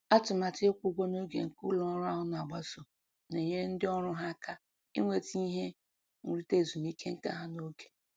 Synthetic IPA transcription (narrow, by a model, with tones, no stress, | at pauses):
a˦tʊ˨ma˨tɪ˦kʷu˦ɡʷo˦no˦ɡḛ˨ŋ̩˨kʊ̰˦lɔ˦ɾʊ˦a˦ɦʊ˦n˨a˨ɡ͡ba˦so˨ | ne˨ɲe˦n̩˦dɪ˦ɔ˦ɾʊ˦ɦa˦kʰa˦ | ḭ˦ŋʷe˨ti˦ɦe˦ | ŋ̩˨ɾi˦te˦˨zu˨m˦i˦kʰe˦ŋ̩˦ka̰˦ɦa˦no˦ɡe̥˨